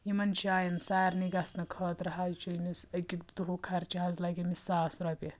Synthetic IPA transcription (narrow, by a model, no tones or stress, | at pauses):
jimɐnt͡ʃʰaːjɐnsaːɾniɡɐsnɐkʰɐːt̪ɾɐɦaːt͡ʃʰojnisɐɡʲik̚d̪uɦukʰɐɾt͡ʃiɦɐzlɐɡʲimisaːsɾɐpʲi